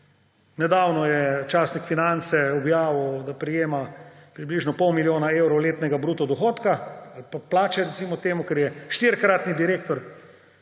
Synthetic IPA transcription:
nɛd̪aːwnɔjɛt͡ʃaːsnikfinant̪sɛɔbjaːʋəwd̪apɾijeːmapɾibliːʒnɔpɔwmiljoːnaewɾɔwleːt̪nɛɡabɾuːt̪ɔd̪ɔxoːt̪kaalpaplaːt͡ʃɛɾɛtsimɔt̪eːmukɛɾjɛʃt̪iɾkɾat̪nid̪iɾeːkt̪ɔɾ

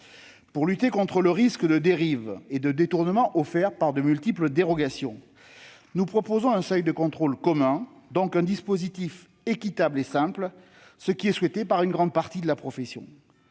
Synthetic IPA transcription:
puʁlyt̪ekɔ̃t̪χələʁiskd̪əd̪eʁived̪əd̪et̪uʁnəmɑ̃ʔɔfɛʁpaʁd̪əmylt̪ipləd̪eʁɔɡasjɔ̰̃ | nupχɔpozɔ̃ɛ̃sœjd̪əkɔ̃t̪χɔlkɔmɛ̃ | d̪ɔ̃kɛ̃d̪ispozit̪if | ekʲit̪ablesɛ̃pl | səkʲiɛswɛt̪epaʁynɡʁɑ̃d̪̚paʁt̪id̪əlapχɔfesjɔ̰̃

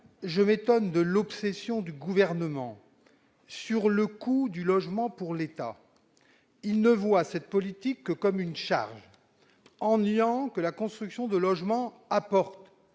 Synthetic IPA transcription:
ʒəmet̪ɔnd̪əlɔpsesjɔ̃d̪yɡuvɛʁnəmɑ̰̃ | syʁləkud̪ylɔʒmɑ̃puʁlet̪a̰ | ilnəvwasɛt̪̚pɔlit̪ikːəkɔmynʃa̰ʁʒ | ɑ̃nɥɑ̃kəlakɔ̃st̪χyksjɔ̃d̪əlɔʒmɑ̃ | apɔʁt̪

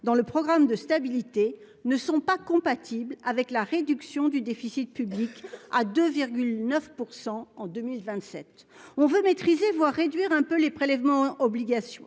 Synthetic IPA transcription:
d̪ɑ̃ləpχɔɡʁamd̪əst̪abilit̪e | nəsɔ̃pakɔ̃pat̪ʰiblavɛklaʁed̪yksjɔ̃d̪yd̪efisit̪̚pyblikad̪øviʁɡʲylnœfpuʁsɑ̃ɑ̃d̪ømilvɛ̃t̪sɛt̪ | ɔ̃vømet̪χizevwaʁːed̪ɥiʁɛ̃pølepχelɛvmɑ̃ɔbliɡasjɔ̰̃

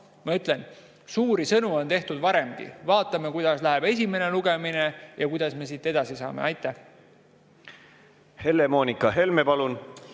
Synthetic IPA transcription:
mɑyt̪le̞n | suːɾisɤnuo̞nt̪e̞ht̪ud̪̥vɑɾe̞mɡ̥ḭvɑːt̪ˑːɑmekujd̪̥ɑslæɦeb̥e̞s̬ʲime̞ne̞luɡ̥e̞mine̞jɑkujd̪ɑsme̞s̬iːt̪ˑːe̞d̪̥ɑsisɑ̰ːmḛɑjt̪ːˑæh | he̞lːemo̞ːnʲikːˑɑɦe̞lmepɑlun

